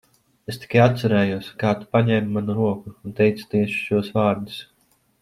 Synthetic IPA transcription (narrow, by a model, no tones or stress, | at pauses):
est̪i̥kajat̪sɛɾɛːjuɔskaːt̪u̥paɲɛːmumanuɾuɔkuːnt̪ɛjt̪su̥t̪iɛʃu̥ʃuɔsvaːɾd̪is